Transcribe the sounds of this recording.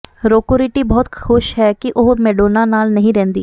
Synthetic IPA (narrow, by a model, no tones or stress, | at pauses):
ɾoːkoɾiːʈiːbɔːt̪kʰʊʃɦɛːkɪʔʊːmɛːɖoːnaːnaːlnəɦĩːɾɛ̃ːnd̪ḭː